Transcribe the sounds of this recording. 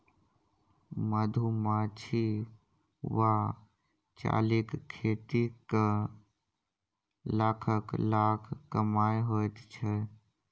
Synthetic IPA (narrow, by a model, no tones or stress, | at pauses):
məd̪ʱumãt͡ʃʰi | wa | t͡ʃa̰ːlikkʰːeːʈ̪ik | laːkʰəklaːkʰːəmaːjɦot̪t͡ʃʰɛ